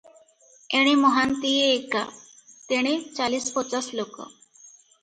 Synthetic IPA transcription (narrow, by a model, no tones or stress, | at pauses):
eɽ̃emɔɦant̪ieːka̰ | t̪eɽ̃et͡salispɔt͡saslokɔ̰